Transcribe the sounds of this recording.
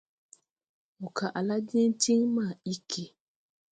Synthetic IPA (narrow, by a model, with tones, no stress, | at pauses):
mu˨kʰa˨ʔa˨la˦di˦ti˦ŋma˦˨i˦kʰe˦